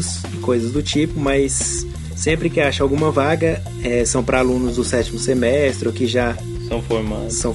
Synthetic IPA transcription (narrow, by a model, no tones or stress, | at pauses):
s | ɪkojzɐzd̪ʊt͡ʃipʊmɐjsː | ẽpɾɪkɪaʃɐawɡũmɐvaɡɐ | ɛsɐ̃w̃pɾɐalũnʊzd̪ʊsɛt͡ʃimʊsemɛst̪ɾɪokɪʒa | sɐ̃w̃foɾma̰sɐ̃w̃